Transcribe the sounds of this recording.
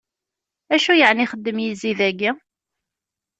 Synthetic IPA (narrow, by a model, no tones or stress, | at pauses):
æʃujəʕniχəd̪ːəmjiziðæɡi